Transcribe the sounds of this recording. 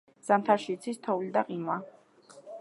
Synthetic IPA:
z̥ant̪ʰaɾʃit̪sʰist̪ʰɔvlid̪aqʼinwa

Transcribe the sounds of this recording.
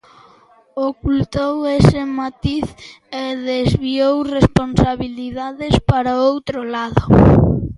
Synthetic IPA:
okult̪owesɪmat̪iθ | eðezβiowresponsaβiliðaðespaɾaowt̪ɾʊlaðʊ

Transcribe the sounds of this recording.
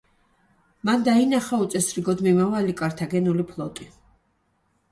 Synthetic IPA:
mand̪ainaχaut̪sʼɛsɾiɡɔd̪mimavalikʼaɾt̪ʰaɡɛnulipʰlˠɔt̪ʼi

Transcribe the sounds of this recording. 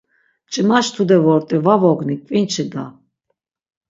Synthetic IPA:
t͡ʃʼimaʃt̪ʰud̪ɛvɔɾt̪ʼɛvavɔɡnikʼvʼint͡ʃʰid̪a

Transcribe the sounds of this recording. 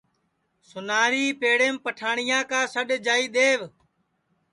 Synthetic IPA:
sʊnaːɾiːpeːɽeːmpəʈʰaːɳɪjãːkãːsəɗd͡ʒaːiːɗ̪eːʋ

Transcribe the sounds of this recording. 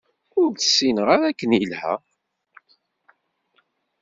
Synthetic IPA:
ʊɾt̪ə̥sːinəʁaɾækːənilhæ̰

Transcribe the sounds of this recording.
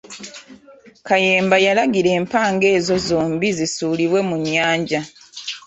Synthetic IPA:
kaje̞ːmbajalaɡiɾe̞ːmpaːŋɡe̞ːzo̞zoːmbizisuːliβwe̞muɲːaːɲɟa

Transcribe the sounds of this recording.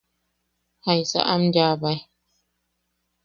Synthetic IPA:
hajsa̰ʔamdaːbaj

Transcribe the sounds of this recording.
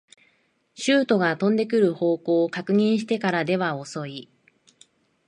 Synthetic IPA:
ɕɨːt̪o̞ɡat̪õ̞nd̪e̞k̬ɯ̟ɾɯ̟ho̞ːko̞ːkakɯ̟ɲ̟ĩɰ̃ɕi̥t̪e̞kaɾad̪e̞βao̞so̞i

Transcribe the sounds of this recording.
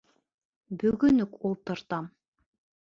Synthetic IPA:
bɵɡɵnɵkulˠt̪ɤ̆ɾt̪ɑm

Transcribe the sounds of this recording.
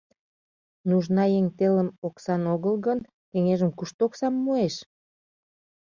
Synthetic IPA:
nuʒnɑjeŋt̪eləmoksɑnoɣəlɣən | keŋeʒəmkuʃt̪oksɑmːueʃ

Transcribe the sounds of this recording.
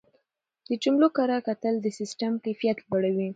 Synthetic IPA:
d̪̥ət͡ʃumlokaɾakat̪əld̪əsɪsʈamkajfijat̪lbaɽawi

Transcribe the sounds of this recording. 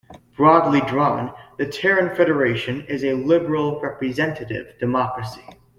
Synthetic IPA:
b̥ɹɔdˡlidɹɔ̃nðɨtʰɛɹɨ̃nfɛɾə˞eɪʃɨ̃nɪzɨlɪbə˞l̩ˠɹɛpɹizɛ̃ntʰɨɾɪ̰vdɨmɑkɹɨsi̥

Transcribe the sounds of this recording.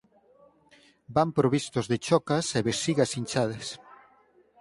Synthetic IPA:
bampɾoβist̪ozðet͡ʃɔkɐseβesiɣɐsinʲt͡ʃaðes

